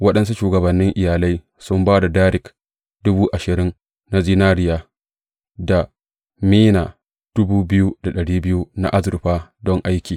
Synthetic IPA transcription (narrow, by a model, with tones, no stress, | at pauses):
wɐ˦ɗɐ˦nsu˦ʃuː˨ɡɐ˨bɐ˨nːɪ˦ŋʔɪ˨jaː˨la˦j | sʊ˦mbaː˦da˨daː˦ɾɪ˨k | dʊ˦buː˦ʔa˨ʃɪ˨ɾɪ˦n | na˦ziː˦naː˦ɽɪ˦jaː˦ | da˨ | miː˦naː˨ | d̥ʊ˦buː˦bɪ˦ju˦da˨ɗɐ˨ɽiː˦bɪ˦ju˦na̰˦ʔa˦zʊ˨ɾɸaː˦dɔ˦ŋʔa˦jkʲiː˨